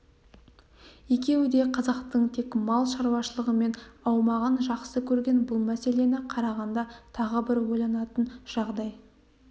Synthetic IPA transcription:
je̞kʲe̞wɪd̪e̞qʰɑzɑqt̪əɴt̪ʰe̞kmɑlˠʃɑɾwɑʃəlˠəʁəme̞nɑwmɑʁənʒɑqsəkʲʰɵɾɡʲe̞nbʊlˠmæse̞le̞nɪqʰɑɾɑʁɑnd̪ɑt̪ʰɑʁəbɪɾwo̞jlˠɑnɑt̪ənʒ̥ɑʁd̪ɑj

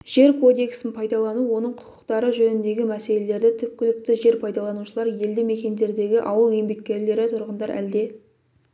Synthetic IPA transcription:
ʒ̥e̞ɾkʰo̞d̪e̞ksɪnpʰɑjd̪ɑlˠɑnuwo̞nəɴqʰʊ̥qʰə̥qt̪ɑɾəʒɵnɪnd̪e̞ɡʲɪmæse̞le̞le̞ɾd̪ɪt̪ʰʏp̚kʲɪlɪk̚t̪ɪʒe̞ɾpʰɑjd̪ɑlˠɑnuʃəlˠɑɾje̞ld̪ɪme̞kʲe̞nd̪e̞ɾd̪e̞ɡʲɪʔɑwəlˠje̞mbe̞k̚ʲkʲːe̞ɾle̞ɾɪt̪ʰʊɾʁənd̪ɑɾʔæ̰ld̪e̞

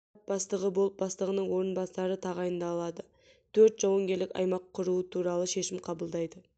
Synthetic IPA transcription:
t̪̚bɑst̪əʁəbo̞lˠəp̚bɑst̪əʁənəɴwo̞ɾənbɑsɑɾət̪ʰɑʁɑjənd̪ɑːlˠɑd̪ə | t̪ʰɵɾt̪ʒ̥ɑwəŋɡʲe̞ɾlɪkʲɑ̰jmɑqʰːʊɾuət̪ʰuɾɑlˠəʃe̞ʃɪmqʰɑbəlˠd̪ɑjd̪ə

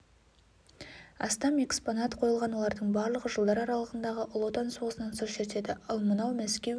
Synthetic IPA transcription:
ɑ̰st̪ɑme̞kspo̞nɑt̪qʰo̞jəlˠʁɑnwo̞lˠɑɾd̪əɴbɑɾlˠəʁəʒəlˠd̪ɑɾɑɾɑlˠəʁənd̪ɑʁəʔʊlˠot̪ɑnsoʁəsənɑnsozʃet̪e̞d̪ɪʔɑlˠmənɑwmæskʲe̞

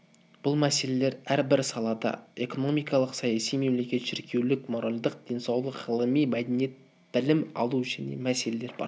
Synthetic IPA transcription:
b̥ʊlˠmæse̞le̞le̞ɾæɾbɪɾsɑlˠɑd̪ɑ̰e̞ko̞no̞mijkɑlˠəqsɑjɑsijme̞mle̞kʲe̞t̪ʃɪɾkʲʰe̞wlɪkmo̞ɾalʲd̪əq̚d̪̥e̞nsɑwlˠəqʁəlˠəmijmæd̪enjet̪̚ | b̥ɪlɪmɑ̰lˠuʒæne̞̰mæse̞le̞le̞ɾbɑ̰ɾ

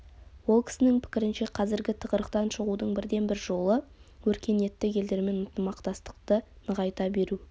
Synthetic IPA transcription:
wo̞lˠkʲɪ̥sɪnɪŋpʰɪ̥kʲɪɾɪnʃe̞qʰɑzɪɾɡʲɪt̪ʰəqəɾəqt̪ɑnʃəʁud̪əɴbɪɾd̪e̞nbɪɾʒo̞lˠəwɵɾkʲe̞nje̞t̪ːɪkʲe̞ld̪e̞ɾme̞nʊnt̪əmɑqt̪ɑst̪ə̥qt̪ə | nəʁɑjt̪ɑbe̞ɾu

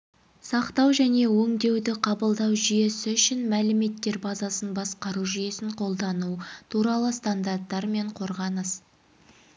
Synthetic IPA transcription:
sɑqt̪ɑwʒæne̞wɵŋd̪e̞wd̪ɪqʰɑbəlˠd̪ɑwʒʏje̞sɪʏʃɪnmælɪme̞t̪ːe̞ɾbɑzɑsənbɑsqɑɾuʒʏje̞sɪɴqʰo̞lˠd̪ɑnut̪ʰuɾɑlˠəst̪and̪art̪ːɑɾme̞ɴqʰo̞ɾʁɑnəs

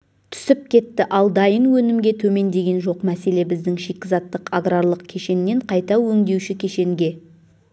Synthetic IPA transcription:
t̪ʰʏ̥sɪp̚kʲʰe̞t̪ːɪʔɑlˠd̪ɑjənwɵnɪmɡʲe̞t̪ʰɵme̞nd̪e̞ɡʲe̞nʒo̞qmæse̞le̞bɪzd̪ɪŋʃe̞kʲːɪzɑt̪ːəqaɡraɾlˠəqkʲʰe̞ʃe̞nːe̞ɴqʰɑjt̪ɑwɵŋd̪e̞wʃɪkʲʰe̞ʃe̞ŋɡʲe̞

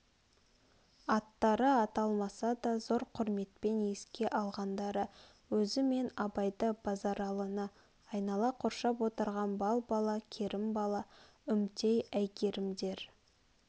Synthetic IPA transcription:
ɑt̪ːɑɾəɑt̪ɑlˠmɑsɑd̪ɑzo̞ɾqʰʊɾme̞t̪̚pe̞ne̞skʲe̞ʔɑlˠʁɑnd̪ɑɾə | wɵzɪme̞nɑbɑjd̪əb̥ɑzɑɾɑlˠənə | ɑjnɑlˠɑqʰoɾʃɑpwo̞t̪əɾʁɑnbɑlˠbɑlˠɑkʲʰeɾɪmbɑlˠɑ | ʏmt̪ejæjkʲʰe̞ɾɪmd̪e̞ɾ

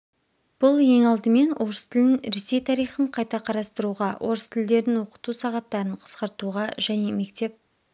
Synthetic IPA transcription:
b̥ʊlˠje̞ŋɑlˠd̪əme̞nwʔo̞ɾəst̪ʰɪlɪnɾe̞se̞jt̪ʰɑɾijχəɴqʰɑjt̪ɑqʰɑɾɑst̪əɾuʁɑwʔo̞ɾəst̪ʰɪld̪e̞ɾɪnwo̞qə̥t̪usɑʁɑt̪ːɑɾəɴqʰə̥sqɑɾt̪uʁɑʒæne̞me̞kt̪e̞p̚

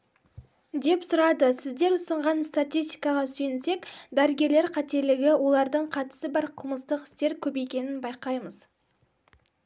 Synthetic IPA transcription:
d̪e̞psʊɾɑd̪əsɪzd̪e̞ɾʊsəɴʁɑnst̪at̪ʲijst̪ijkɑʁɑsɵjɪnse̞kd̪æɾəɡʲe̞ɾle̞ɾqʰɑt̪e̞ɾlɪɡʲɪwo̞lˠɑɾd̪əɴqʰɑt̪ə̥səbɑɾqʰəlˠməst̪əqɪ̥st̪e̞ɾkʲʰɵbe̞kʲe̞nɪnbɑjqɑjməz

